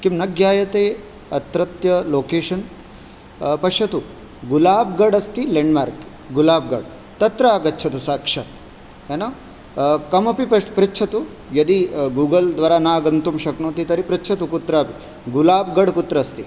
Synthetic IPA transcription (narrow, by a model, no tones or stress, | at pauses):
kimnɐɡjaːjɐt̪eː | ɐt̪ɾɐt̪jɐloːkeːʂɐn | pɐʃɐt̪u | ɡulaːb̚ɡɐɖɐst̪ileɳɖma̰ːɾk | ɡulaːb̚ɡɐ̰ɖ | t̪ɐt̪ɾaːɡɐtːt͡ʃʰɐt̪usaːkʂɐt̪ | enoː | kɐmɐpipɐpɾitːt͡ʃʰɐt̪u | jɐd̪iɡuːɡɐld̪ʋaːɾaːnaːɡɐnt̪umʃɐknoːt̪it̪ɐɾipɾitːt͡ʃʰɐt̪ukut̪ɾaːpi | ɡulaːbɡɐɖkut̪ɾɐst̪i